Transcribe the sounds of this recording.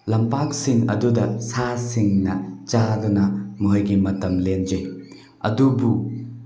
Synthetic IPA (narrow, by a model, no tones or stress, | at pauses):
lɐmpak̚siŋɐ̰dudɐsasiŋnɐt͡ʃadunɐmuɦɐjɡimɐtɐmlend͡ʒej | ɐ̰dubu